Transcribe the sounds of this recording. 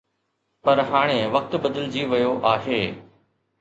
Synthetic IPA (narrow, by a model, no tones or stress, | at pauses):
pɐɾɦaːɽ̃ẽʋɐk̚t̪bəd̪əld͡ʑiːʋɐjoʔaːɦeː